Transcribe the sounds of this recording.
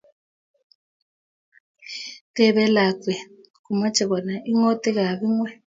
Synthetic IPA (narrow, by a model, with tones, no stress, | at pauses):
tʼɛ˨βɛ˦la˨kwɛ˨ | ku˨ma˦t͡ʃʰʼɛ˨βɔ˨na˨ʔi˦ŋo˦tʼi˦ɣa˨βi˦ŋwɛ˦